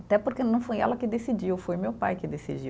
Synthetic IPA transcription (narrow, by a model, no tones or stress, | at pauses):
at̪ɛpoɾkenɐ̃w̃fojɛ̰lɐkɪd̪esid͡ʒiwfojmewpajkɪd̪esḭd͡ʒiw